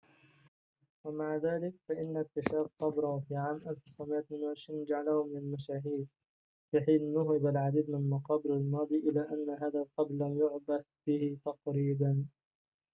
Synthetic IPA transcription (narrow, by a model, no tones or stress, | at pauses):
wamaʕðaːlɪkfaʔɪnːakt̪ːɪʃaːfqɑbɾʊhʊfiːʕaːmʔalfɪsamɪʔamɪnwaʕɪʃɾiːnd͡ʒaʕalahʊmɪnalmaʃaːɦiːd | fiːħiːnːʊɦɪbalʕad̪iːd̪mɪnmɑqɑːbɪɾalmɑːd̪ˤiːʔɪlaːʔanːaɦaːðalqɑblːamjʊʕbaθb̥ɪhɪt̪ɑqɾiːd̪an